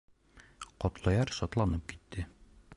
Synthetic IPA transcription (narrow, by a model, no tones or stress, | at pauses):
qɒt̪lˠɑjɑɾʃɒt̪lˠɑnɤp̚ki̥t̪ːɘ